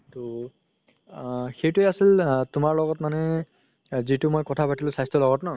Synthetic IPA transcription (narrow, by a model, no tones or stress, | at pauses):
tɔ | xejtʊɛasiltʊmaɹlɔɡɔtmanɛ | zitʊmojkɔtʰapatilʊ̃sajstɔlɔɡɔtnɔ